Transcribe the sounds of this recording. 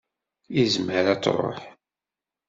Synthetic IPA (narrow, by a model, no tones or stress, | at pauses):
izməɾat͡sːɾˤo̰ħ